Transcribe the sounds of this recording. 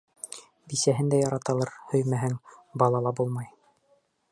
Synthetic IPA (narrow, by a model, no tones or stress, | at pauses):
bisæɦɘnd̪æjɑɾɑt̪ɑlˠɑɾhɵ̆jmæɦɘŋbɑlˠɑlˠɑbulˠmɑj